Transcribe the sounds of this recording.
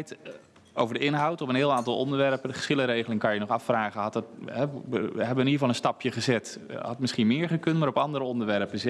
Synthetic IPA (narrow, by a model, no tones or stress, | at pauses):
jt | o̰wvəɹdəɪnɦɔwtɔpənɦɪːlˠaːntɑlˠʔɔ̰ndəɹʋɛrpəə̥sχɪləɾejɣlɪŋkɑnjənɔχɑfraːɣəɦɑtətɛɦɛbəʋəniəvɑlˠənstɑpjəχəzɪthɑttmɪsχinmɪːɹχəkøntmaːɾɔpɑndəɾəɔndəɹʋɛrpəs